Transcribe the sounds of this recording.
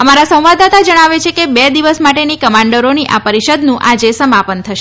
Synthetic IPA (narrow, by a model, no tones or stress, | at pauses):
əmaɾasə̃w̃ʋad̪at̪ad͡ʒəɽ̃aʋet͡ʃʰekebɛd̪iʋəsmaʈenikəmãɳɖəɾoniʔa̰pəɾiʃəd̪nũʔad͡ʒesəmapənt̪ʰəʃe